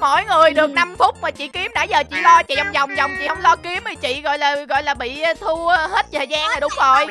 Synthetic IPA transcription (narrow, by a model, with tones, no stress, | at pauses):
mo̰˧˥˨jŋɨ˨˩əjɗɨ˨˩ək̚na˧mfʊ˦˥t̚maː˨˩t͡ɕḭ˧˨ki˨˦əmɗaː˧˥zəː˨˩t͡ɕḭ˧˨lɔ˧t͡ɕḭ˧˨ʔwŋ͡mza˨˩wŋ͡mza˨˩wŋ͡mt͡ɕḭ˧˨hə˧wŋ͡mlɔ˧ki˨˦mi˨˩t͡ɕḭ˧˨ɣɔ̰˧˨jlaː˨˩ɣɔ̰˧˨jlaː˨˩ɓḭ˧˨˧t̪ʰu˧he˦˥t̚t̪ʰəː˨˩zaː˧ŋhaː˨˩ɗʊ˨˦ŋ͡mzo˨˩j